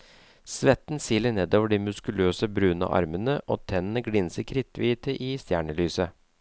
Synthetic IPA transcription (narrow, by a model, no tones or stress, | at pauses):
sʋɛt̪n̩siːlːəɳeːd̪oːʋəɖiːmʉskʉløːsəbɾʉːənə̰ʔɑ̰ɾmənəʔo̰ːt̪ʰɛnənəɡlɪnsəkʰɾɪt̪ːʋiːt̪əʔɪst̪jæːɳəlyːsə